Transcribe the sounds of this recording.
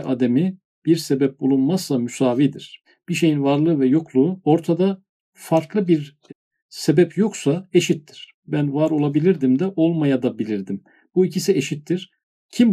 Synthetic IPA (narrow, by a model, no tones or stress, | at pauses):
ʔad̪emi | biɾsebɛp̚bulˠunmazːamysaːviːd̪iɾ̥ | b̥iʃ̬e̞jinvaɾlˠɯvɛjo̞kʰlˠuːo̞ɾt̪ʰad̪a | faɾklˠɯbiɾ | sebɛpjo̞ksae̞ʃit̪ːiɾ̥ | bænvaɾo̞lˠabilʲiɾd̪imd̪ɛʔo̞lˠmajad̪abilʲiɾd̪im | b̥uicʰisieʃit̪ːiɾ̥ | cʰim